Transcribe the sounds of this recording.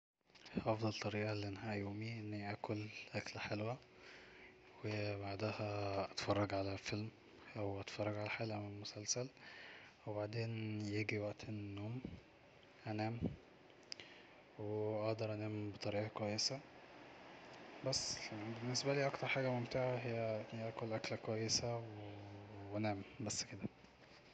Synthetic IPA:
ʔɑfd̪ˤɑlt̪ˤːɑɾiːʔɑlːiʔenhæːʔjoːmiʔenːiʔæːkʰolʔæklħelwæ | webaʕd̪æhæʔɑt̪fɑrˤːɑɡʕalæfelm | ʔæwʔɑt̪fɑrˤːɑɡʕalæħelæmelmosælsæl | webaʕd̪eːnjeɡiwæʔt̪enːoːm | ʔænæːm | weʔɑhd̪ɑɾˤʔænæːmbet̪ˤɑɾiːʔɑkwæjːesæ | bæsːbenːesbæliːʔɑkt̪ɑɾˤħaːɡæmomt̪eʕaɦejːæʔækolʔæklækwæjːesæwewænæːmbæsːked̪æ

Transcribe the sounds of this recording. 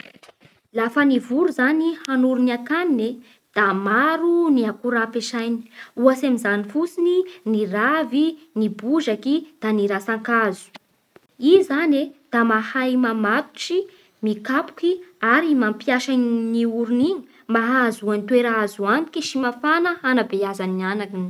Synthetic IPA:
lafənivuɾuzanihanuɾuniakanine | d̪̥amaɾuniakuɾapeʃajni̥uasemizanifusininiravi | nibuʒakid̪̥aniɾasaŋkazu̥ | izaned̪̥amahajmamat̪u̥ʈ͡ʂi | mikapu̥kiaɾimampjaʃanniuɾuniɲi | maɦazuanit̪weɾaazuani̥kiʃimafanəanabeazanianakin

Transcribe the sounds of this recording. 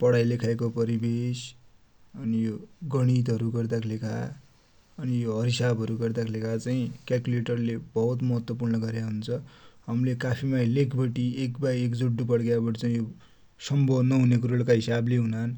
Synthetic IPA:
pʌɽajlekʰaekopʌɾibes | ʌnijoɡʌɽ̃it̪ʌɾuɡʌrd̪aklekʰa̰ | ʌnijoɦʌɾɦisabʱʌɾuɡʌrd̪aklekʰat͡saĩkjalkuleʈʌrlebʌɦut̪mʌɦʌt̪wʌpurnʌɡʌɾjaɦunt͡sʰʌɦʌmlekapʰimajlekʰbʌʈiekbajekd͡zuɖːupʌɽɡjabʌʈit͡saĩjo | sʌmbodnʌɦunekuɾoɽkaɦisableɦunan

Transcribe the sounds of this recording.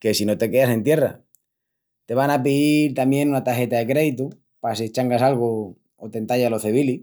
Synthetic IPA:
ke̞sino̞t̪e̞ke̞ase̞nt̪je̞ra̰ | t̪e̞βaŋapiðiɾt̪amje̞nunat̪axe̞t̪aðe̞kɾe̞ðit̪u | pas̬iet͡ʃaŋɡasalɣo | ot̪e̞nt̪aʝalo̞θeβ̞ili

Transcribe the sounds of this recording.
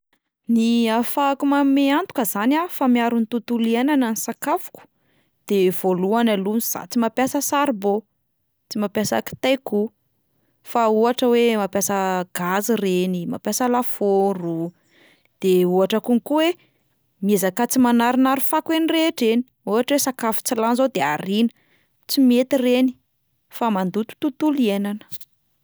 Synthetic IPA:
niafakumameant̪u̥kəzanafamiaɾunt̪ut̪ulianananisakafu̥ku̥ | d̪̥ev̥oluanaluniz̥a̰t͡simapjasəsaɾbo | t͡simapjasa̰ki̥t̪eku | fauaʈ͡ʂəwemapjasəɡ̥azirenima̰pjasəlafoɾu | d̪̥euaʈ͡ʂəkuŋikuwe | miezakat͡simanaɾinaɾufakwenireʈ͡ʂeni̥ | uaʈ͡ʂəwesakafu̥t͡silanzod̪ea̰ɾinə̥ | t͡simet̪ireni̥ | famand̪ut̪u̥t̪ut̪ulienanə̥

